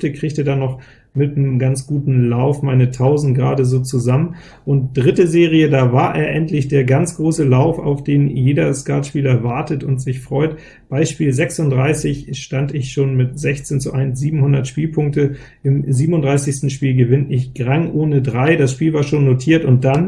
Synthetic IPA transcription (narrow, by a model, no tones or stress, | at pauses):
təkʁ̥ɪːçtedaːnɔχ | mɪtnəmɡant͡sɡ̥uːtn̩laʊfmaɪnətʰaʊzn̩tɡ̥ʁa̰ːdəzoːt͡suzamən | ʔʊnt̚d̥ʁɪtəzeːʁ̞ijədaːvaːɐʔḛːɐʔɛntlɪçd̥eːɐɡant͡sɡ̥ʁoːsəlaʊfa̰ʊfd̥eːnjeːdɐskaɐtʃpiːlɐɐvaɐtətʊntz̥ɪçfʁ̥ɔʏt | b̥aɪʃpiːlzɛksʊndʁaɪsɪçʃtantɪçʃoːnmɪtz̥ɛçt͡seːnt͡suʔaɪnsz̥iːbm̩hʊndɐtʃpiːlpʰʊŋk̚tə | ʔɪmziːbmʊndʁaɪsɪçstn̩ʃpiːlɡəvɪnɪçɡ̥ʁaŋʔoːnədʁaɪdasʃpiːlvaːɐʃoːnːotʰiːɐtʊnt̚d̥an